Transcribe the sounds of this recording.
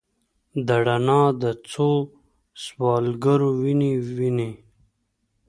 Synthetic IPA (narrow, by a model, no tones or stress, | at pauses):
d̪aɽanɑːd̪ət͡sʰo | swɑːlɡaɾowiniwini